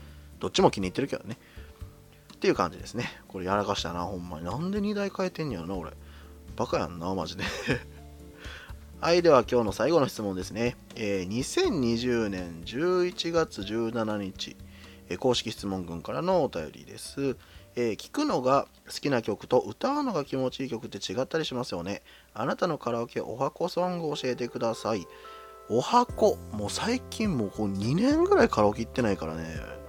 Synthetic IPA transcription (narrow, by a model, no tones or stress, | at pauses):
d̪̥o̞t͡ɕːimo̞kʲiɲ̟iːt̪ːe̞ɾɯ̟ke̞d̪one̞ | t̪ːe̞iɯ̟kã̰ɲ̟d͡ʑid̪e̞sɨne̞ko̞ɾe̞jaɾakaɕi̥t̪anahõ̞mːa̰ɲ̟inãnd̪e̞ɲ̟id̪aikaet̪ẽ̞ɲ̟ijaɾonako̞ɾe̞̰b̥akajã̰nːama̰ʑid̪e | aid̪e̞βakʲo̞ːno̞saiɡo̞no̞çi̥t͡sɨmond̪e̞sɨne̞ | eːɲ̟isẽ̞ɲ̟ɲːiʑɨːnẽ̞ɲd͡ʑɨːit͡ɕiɡat͡sɨʑɨːnanaɲ̟it͡ɕḭ | eko̞ːɕi̥kʲiɕi̥t͡sɨmõ̞ŋɡɯ̟̃ŋkaɾano̞ːt̪ajo̞̰ɾʲḭd̪e̞̰sɨ | eːkʲi̥kɯ̟no̞ɡa | sɨ̥kʲinakʲo̞kɯ̟̥t̪o̞ʔɯ̟t̪aɯ̟no̞ɡakʲimo̞t͡ɕiːkʲokɯ̟t̪ːe̞t͡ɕiɡat̪ːaɾʲiɕimasɨjo̞ne̞ | anat̪ano̞kaɾaoke̞ʔo̞̰hako̞sõ̞ŋɡɯ̟o̞ɕie̞t̪̬e̞kɯ̟d̪asai | o̞hako̞moːsaikʲʰĩmmoːkoːɲ̟inẽ̞ŋɡɯ̟ɾaikaɾaokʲeit̪ːe̞naikaɾa̰ne̞̰